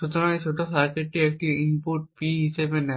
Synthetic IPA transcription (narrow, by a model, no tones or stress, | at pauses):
ʃut̪ɔɾãŋet͡ɕʰoʈofaɾkeʈ̚ʈiek̚ʈiimpuʈ̚piɦisebenɛ